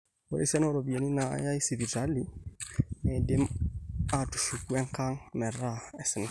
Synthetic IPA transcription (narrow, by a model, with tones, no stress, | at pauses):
pɔ˨ɾḭ˦si˦a˦n˦ɾo˨bi˨e˨ni˦na˨ja˦i˦si˨vi˨ta˦li˦ | ɛ˨dɪ˦ma˨tu̥˨ʃu˨ku˦ɛ˦ŋka˦ŋmɛ˨ɾa˦ɛ˨sɪ˨n˨